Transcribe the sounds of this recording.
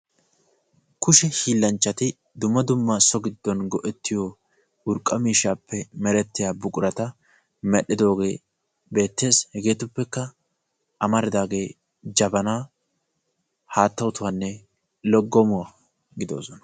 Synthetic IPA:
kʊʃɛhiːlːɐnt͡ʃːɐt̪ɪ | d̪ʊmːɐd̪ʊmːɐsɔɡɪd̪ːɔnɡɔʔɛt̪ːɪjo | ʊɾkʼːɐmiːʃːaːpːɛmɛɾɛt̪ːɪjaːbʊkʼʊɾɐt̪ɐ | mɛɗɪd̪o̞ːɡe̞ː | be̞ːt̪ːe̞ːshɛɡe̞ːt̪ʊpːɛkːɐ | ʔɐmɐɾɪd̪aːɡe̞ː | d͡ʒɐbɐnaː | haːt̪ːɐwʊt̪ʊwanːɛ | lɔɡːɔmʊwa | ɡɪd̪o̞̰ːsɔnɐ̥

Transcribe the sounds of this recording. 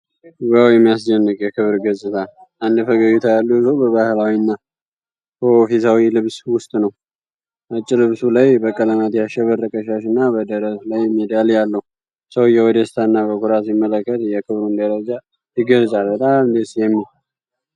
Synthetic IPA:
ɡawjɛmːijas̬d͡ʒənːəkʼjɛkʰɨβɾɡət͡sʼːɨt̪ʰa | ʔand̪fəɡəjut̪ʰajalːusobəβahɨlawinːa | bəofisawilɨβswʊst̪ʼnəw | ʔat͡ʃʼːɪlɨβsulajbəkʼələmat̪jaʃɛβərːəkʼəʃaʃɨnːabəd̪əɾəslajmːəd̪aljalːəhu | səwjɛwɔd̪əst̪ʰanːabəkʰuɾasimːələkːət̪jɛkʰɨβɾund̪əɾəd͡ʒa | jɪɡəlzʼalbət̪ʼamd̪esjɛmːil

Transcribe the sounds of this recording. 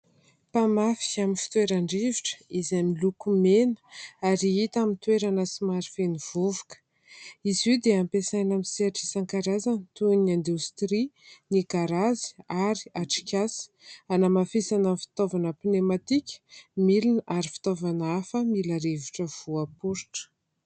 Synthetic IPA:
pamafi̥aminfi̥t̪weɾaɳɖ͡ʐiviʈ͡ʂə̥izamilukumenə̥aɾiit̪amint̪weɾanəsimaɾifeniv̥uvukə̥ | izwiwd̪eampesajnamiseaʈ͡ʂisaŋkaɾazanit̪uniãnd̪ust̪ɾinikaɾazi̥aɾiaʈ͡ʂi̥kʲasi̥ | anamafisanamfi̥t̪ovanəpinemat̪ikʲə̥milinaɾifi̥t̪ovanafəmilaɾeviʈ͡ʂəv̥uapuɾiʈ͡ʂə̥

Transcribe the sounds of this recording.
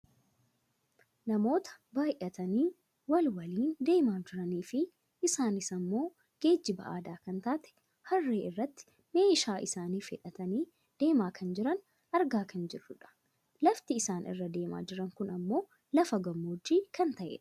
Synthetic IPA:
nɐmo̞ːt̪ɐ̥baːjʔɐt̪ɐniː | wɐlwɐliːnd̪e̞ːmaːnd͡ʒɪɾɐniːfɪ | ɪsaːnɪsɐmːo̞ː | ɡ̥e̞ːd͡ʒːɪbɐ̰ʔaːd̪aːkɐnt̪aːt̪ɛ̥ | hɐrːeːɪrːɐt̪ːɪ̥ | me̞ːʃaːʔɪsaːniːfɪ̰ᶑɐt̪ɐniː | d̪̥e̞ːmaːkʰɐnd͡ʒɪɾɐn | ʔɐɾɡaːkɐnd͡ʒɪrːʊᶑɐ̥ | lɐft̪ɪɪsaːnʔɪ̰rːɐd̪e̞ːma̰ːd͡ʒɪɾɐŋkʊnɐmːo̞ː | lɐfɐɡɐmːoːd͡ʒːiːkɐnt̪ɐʔɛ̰ᶑɐ̥

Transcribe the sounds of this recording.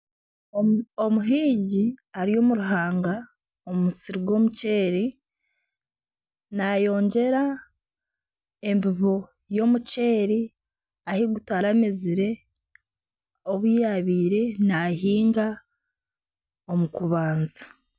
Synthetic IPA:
omuɦiːɲɟiaɾijo̞ːmuɾuɦaːŋɡa | omumusiɾiɡo̞muce̞ːɾi | najo̞ːɲɟe̞ɾa | e̞mbiβo̞ | jo̞muce̞ːɾi | ahiɡutwaɾameziɾe̞ | oβujaβiːɾe̞nahiːŋɡa | omukuβaːnzḁ

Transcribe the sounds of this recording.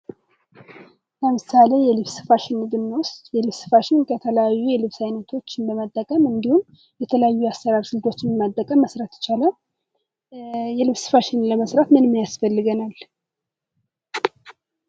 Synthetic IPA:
ləmɨsalejɛlɨβsɨ̥faʃɪnːɨɡ̪ɨmːwʊst̪jɛlɨβsɨ̥faʃɪnkʰət̪ʰələjajːujɛlɨβsajnət̪ʰo̞t͡ʃːɪnbəmat̪ʼːəkʼəmɨnd̪ihum | jɛt̪ʰələjajːuast̪əɾaɾsɨld̪o̞t͡ʃːɪnəmat̪ʼːəkʼəmːəsɾat̪ə̥t͡ʃalaw | jɛlɨβsɨ̥faʃɪnləməsɾat̪mɨnmijasfəlːɨɡənal

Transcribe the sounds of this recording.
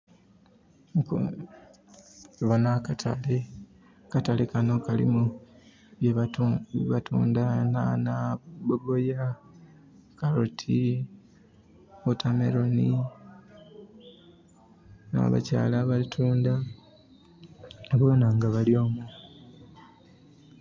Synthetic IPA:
k | βanakatʰa̰le | katalekano̞kalḭmu | βjeββatuːndananaboɡoja | kaɾotʰi | otʰamḛɾoni | na̰βa̰ca̰ːlaβaitʰuːnda | okuβonaŋɡaβaljo̞ːmu

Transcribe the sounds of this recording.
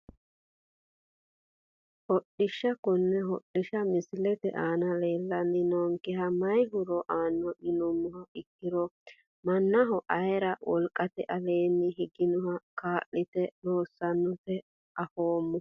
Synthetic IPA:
hɔɗɪʃːɐkʊnːɛɦɔɗɪʃɐmɪslɛt̪ɛ̰ʔaːnɐleːlːɐnːɪnɔŋkɪɦɐmɐjɦʊɾɔʔaːnːɔʔɪnɔmːʊhɐɪkːɪɾɔ | mɐnːɐɦɔʔɐjɾɐwʔɔ̰lkʼɐt̪ɛʔɐleːnːɪɦɪɡɪnʊhɐkaːʔɪt̪ɛɾoːsːɐnːʊt̪ɛ | ʔɐfoːmːʊ

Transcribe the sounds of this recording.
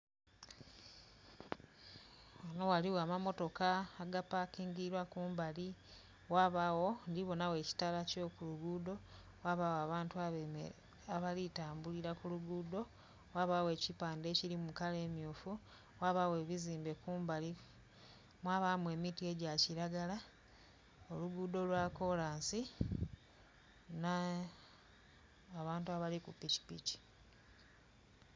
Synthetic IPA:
ano̞waliwamamo̞to̞kaːɡapakiːŋɡiɾwakuːmbali | waβawo̞ndiβo̞nawe̞ːci̥talaco̞ːkuluɡuːdo̞ | waβawoaβaːntu | aβalitaːmbuliɾakuluɡuːdo̞ | waβawe̞ːcipaːnde̞cilimukale̞ːmjuːfu | waβawe̞ːβiziːmbe̞kuːmbali | mwaːβamwe̞ːmitie̞ɟaciɾaɡala | o̞luɡuːdo̞lwako̞laːnsi | na | βaːntuaβalikupici̥pḭci̥

